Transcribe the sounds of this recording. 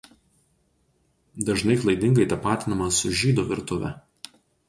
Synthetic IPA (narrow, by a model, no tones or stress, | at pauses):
d̪ɐʒnɐɪklˠɐɪd̪ʲɪŋɡɐɪt̪ʲɐpɑːt̪ʲɪnɐmɐsʊʒʲiːd̪uːʋʲɪɾt̪ʊʋʲɛ̰